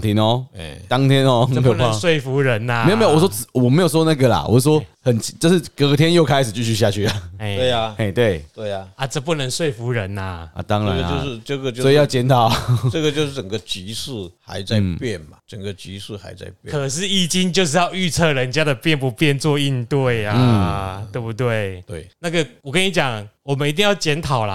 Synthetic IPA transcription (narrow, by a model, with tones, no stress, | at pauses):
t̪ʰi˨˦nɔ˧˦˩t̪ɑ˦ŋt̪ʰjɛ˦nɔ˧˦˧o˨n˧˥˨swe˥˩ɪfu˨˥ɻə˨˧˦na˨e˧˥jo˨me˥˨wo˨˩swɔ˥t͡s̩˨˩wɔ˨˩me˧˥jo˨˩ʊs̬ɔ˥na˥˩ɡə˨la̰˨˩wɔ̰˨˥˩swɔ˦hə˨˩nt͡ɕʰi˨˦t͡ɕjo˥˧ʊʂɻ̩˥˩kə˧˦t̪ʰjɛ˥njo˥˩ʊkʰa˥ɪʂɻ̩˨˩t͡ɕy˥˧ɕy˥˧ɕ̬ja˥˧t͡ɕʰy˥˩a˨˩˥we˥˩a˩e˥˩t̪we˥˩ɪt̪we˥˩ɪa˩a˨˩ʈ͡ʂə˧pu˥˩nə˧˦ŋswe˥˨˩ɪfu˨˥ɻə˨˦na˨ɐ̰˨t̪ɑ˦ŋɻa̰˨˦˧njo˥˧ʊʂɻ̩˥˧ʈ͡ʂə˥˧ɡə˨˩t͡ɕjo˥˧sɔ˥i˧˦jɑ˥˧ʊt͡ɕjɛ˥nt̪ʰɑ˥˨ʊə˥˨ɡə˨t͡ɕjo˥˧ʊʂ̩˥˩ʈ͡ʂə˨˩ŋɡə˩t͡ɕi˧˦˥ʂ̩˥˩xa̰˧˦ɪt͡sa˥˧ɪpjɛ˥˩nmɐ˩ə˨˩ŋɡə˨˩t͡ɕi˧˥ʂ̩˥˩xa̰˧˥ɪt͡sa̰˥˧ɪpjɛ̰˥kʰə˨˩ʂɻ̩˥˧i˥˩t͡ɕi˦nt͡ɕjo˥˧ʊʂ̬ɻ̩˥˧jɑ˥˧ʊy˥˧t͡sʰɤ˥˩ɻə˧˦nt͡ɕja˦˥d̪ə˨pjɛ˥˩np̬u˧˥pjɛ˥˧nt͡swɔ˥˧i˥˧nt̪we˥˩ɪa˨˩t̪we˥˧˩pu˧t̪we˥˩ɪt̪wḛ˥˩ɪna˥˩ɡə˨wɔ˨˩kə˦ni˧˥t͡ɕjɑ˨˩ŋwɔ˨˩mə˨ni˧t̪̬i˥˧ŋjɑ˥˩ʊt͡ɕjɛ˧˥nt̪ʰɑ˨˩ʊlɐ˦